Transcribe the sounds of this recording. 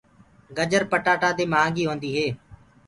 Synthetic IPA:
ɡəd͡ʒəɾpəʈaːʈaːd̪eːmãːŋɡiːɦoːnd̪iːɦeː

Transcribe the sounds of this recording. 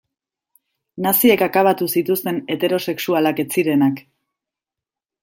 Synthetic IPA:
nasiekakaβat̪usit̪ust̪e̞ne̞t̪e̞ɾo̞se̞ksualake̞t͡siɾe̞nak

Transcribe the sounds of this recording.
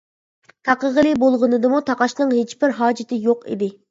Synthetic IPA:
t̪ʰɑqəʁəlˠɨbolˠʁənɨd̪ɨmut̪ʰɑqɑʃnɨŋɦet͡ʃbɪɾɦɑːd͡ʒɪt̪ʰɪjoqḭd̪ɪ

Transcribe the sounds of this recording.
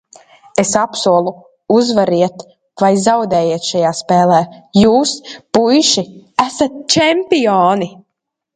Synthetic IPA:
esapsuɔlˠu | uzvaɾiɛt̪ | vajzawd̪ɛːjiɛt̪ʃajaːspɛːlˠɛːjuːspujʃiæsat̪̚t͡ʃɛmpiɔːni

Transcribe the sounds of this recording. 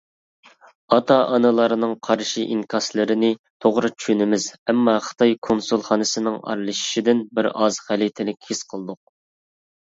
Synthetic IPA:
ɑt̪ʰɑʔɑnɨlˠɑɾɨnɨŋqʰɑɾʃiʔiŋkʰɑslˠɨɾɪnɪt̪ʰoʁɾɨt͡ʃʰy̥ʃynɪmɪzɛmːɑχə̥t̪ʰɑjkʰonsulˠχɑːnɨsɨnɨŋɑ̰ɾlˠɨʃi̥ʃid̪ɪnbɪɾɑ̰z̥χælit̪ʰɪlɪkʲhɪsqʰəlˠɨd̪ʊq̚

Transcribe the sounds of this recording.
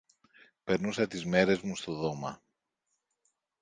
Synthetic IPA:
pe̞ɾnusɐt̪izme̞ɾe̞zmust̪o̞ðo̞mɐ

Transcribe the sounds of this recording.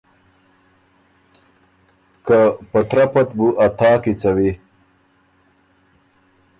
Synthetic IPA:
kapɐt̪ɾapɐt̪buʔɐt̪aːkit͡sɐwi

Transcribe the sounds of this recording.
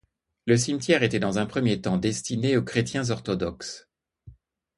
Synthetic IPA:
ləs̬imt̪jɛʁet̪ɛd̪ɑ̃zɛ̃pχəmjet̪ɑ̃d̪ɛst̪ineokχet̪jɛ̃zɔʁt̪ɔd̪ɔks

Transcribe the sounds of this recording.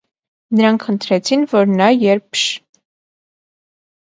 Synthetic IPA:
nəɾɑŋkʰχənt̪ʰɾɛt͡sʰinvɔɾnɑjɛɾpʰʃ

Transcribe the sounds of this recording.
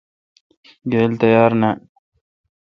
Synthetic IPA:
ɡeːlt̪ɐjɑːɾna

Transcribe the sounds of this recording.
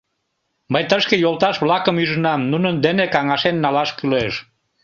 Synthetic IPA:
məjt̪əʃkejolˠt̪ɑʃβlɑkəmyʒənɑmnunənd̪enekɑŋɑʃenːɑlɑʃkyleʃ

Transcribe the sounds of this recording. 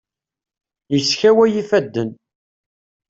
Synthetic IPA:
jəsçæwæjifæd̪ːən

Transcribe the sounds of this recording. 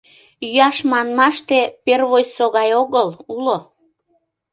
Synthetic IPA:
jyɑʃmɑnmɑʃt̪eperβojsoɣɑjoɣəlulo

